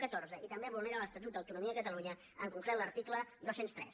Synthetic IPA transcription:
kət̪oɾzəit̪əmbeβulˠneɾaləst̪ət̪̬ut̪̚d̪əwt̪unumiəəkət̪əluɲə | əŋkuŋflɛləɾt̪ikləd̪osenst̪ɾɛ̰s

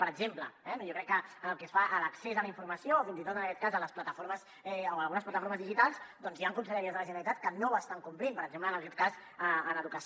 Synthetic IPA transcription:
pəɾəɡzempləɛnjokɾɛkːəənəlˠkɛsfaʔələksezələiɱfuɾməsiofint̪it̪ot̪ənəkɛt̪̚kazələsplət̪əfoɾməz | ɛoəlˠɣunəsplət̪əfoɾməzðiʒit̪alˠsd̪ɔnzjaŋkunsəʎəɾiəzðələʒənəlit̪at̪̚kənowəst̪aŋkumplimpəɾəɡzemplənəlkɛt̪kas | əənəðukəs

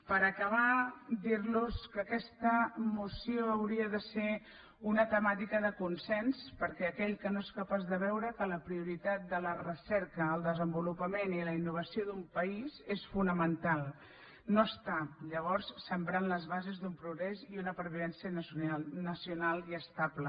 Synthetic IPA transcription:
pəɾəkəβ̞ad̪iɾluskəkɛst̪əmusioəwɾiəðəse | unət̪əmat̪ikəðəkunsɛnspəɾkɛəkɛʎkənoeskəpazðəβɛwɾəkələpɾiuɾit̪at̪̚d̪ələrəsɛɾkəːlˠd̪əzəmbulupəmeniləinːuβ̞əsioðumpəizesfunəmənt̪alˠ | noəst̪aʎəβ̞ɔɾsːəmbɾanləzβazezðumpɾuɣɾɛziunəpəɾβiðɛnsiənsanəsiunalˠiəst̪ablə

